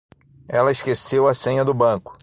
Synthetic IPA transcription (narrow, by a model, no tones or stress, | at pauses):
ɛlɐɪskesewɐsẽɲɐd̪ʊbɐ̃kʊ̥